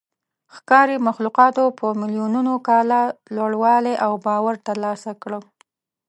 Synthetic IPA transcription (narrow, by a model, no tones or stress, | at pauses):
xkɑɾemaxluqɑt̪opʰəmɪlijununokɑlalaɽwɑleʔawbɑwaɾt̪əɾlɑsakɽə